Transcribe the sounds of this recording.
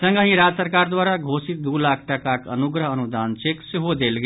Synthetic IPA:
sə̃ŋɡə̃ɦĩɾaːd͡ʒsəɾkaːɾd̪waːɾaɡʱoːsɪt̪̚d̪uːlaːkʰʈɐkakə̰nʊɡɾəɦənʊd̪aːnt͡ʃeksɦod̪eːlɡe

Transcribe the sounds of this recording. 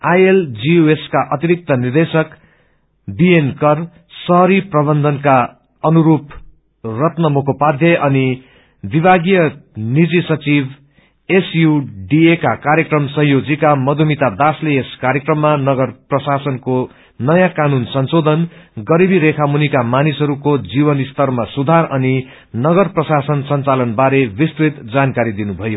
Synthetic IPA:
ajeld͡ziueskaʔʌt̪iɾik̚t̪ʌnird̪esʌk | bienkʌr | sʌɦʌɾiprʌbʌnd̪ʱʌnka | ʌnuɾup | rʌt̪nʌmokʰopad̪ʱjʌʔʌni | bibʱaɡijʌnid͡zisʌt͡sib | esjuɖiekakaɾjekrʌmsʌ̃ɦjod͡zikamʌd̪ʱumit̪ad̪asleeskaɾjekrʌmːanʌɡʌrprʌsasʌnko | nʌjãkanunsʌnsod̪ʱʌnɡʌɾibiɾekʰamunikamanisʌɾukod͡zibʌnist̪ʌrmasud̪ʱarʌni | nʌɡʌrprʌsasʌnsʌnt͡salʌnbaɾebist̪rit̪d͡zankaɾid̪inubʱʌjo

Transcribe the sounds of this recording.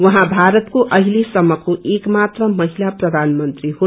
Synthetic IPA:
wʌɦãbʱaɾət̪koʔʌɦilesʌmːʌkoʔekmat̪ɾʌmʌɦilapɾʌd̪ʱanmənt̪ɾiɦo

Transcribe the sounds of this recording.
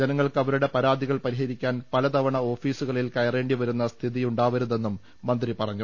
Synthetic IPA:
d͡ʑɐnɐŋːɐɭkɐʋɐɾuɽe̞pɐɾaːd̪ʱiɣɐɭpɐɾiɦɐɾikʲːaːnpɐlɐt̪ɐʋɐɳɐo̞ːfiːsuɣɐɭilkɐjɐre̞ːɳɖiʋɐɾunːɐst̪ʰiðijuɳɖaːʋɐɾuðe̞nːumː | ɐnd̪ripɐrɐɲːu

